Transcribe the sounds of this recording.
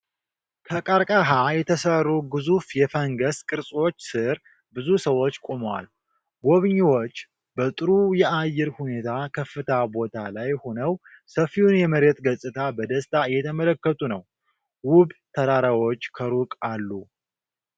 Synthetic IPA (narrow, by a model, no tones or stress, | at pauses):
kʰəkʼaɾkʼaɦajɛt̪ʰəsərːuɡɨzufjɛfəŋɡəskʼɨɾsʼwot͡ʃːsɨɾ | bɨzusəwo̞t͡ʃːkʼomwa̰l | ɡo̞βɲːiwo̞t͡ʃː | bət̪ʼɨɾujɛajːɪɾhune̞t̪ʰakʰəfːɨt̪ʰabo̞t̪ʰalajhonəw | səfːiwunjɛməɾet̪ɡəsʼɨt̪ʰabəd̪əst̪ʼajɛt̪ʰəmələkːət̪ʼunəw | wʊβt̪ʰəɾaɾawo̞t͡ʃːkʰəɾukʼalːu